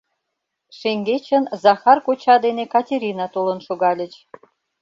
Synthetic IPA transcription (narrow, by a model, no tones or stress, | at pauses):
ʃeŋɡet͡ɕə̆nzɑxɑrkot͡ɕɑd̪enekɑtʲeɾʲinɑt̪olə̆nʃuɣɑlʲə̆t͡ɕ